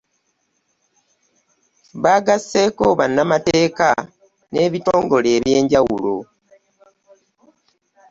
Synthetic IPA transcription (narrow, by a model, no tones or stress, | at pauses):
βaːɡasːe̞ːko̞βanːamate̞ːka | ne̞ːβito̞ːŋɡo̞leːβje̞ːɲɟawulo̞̰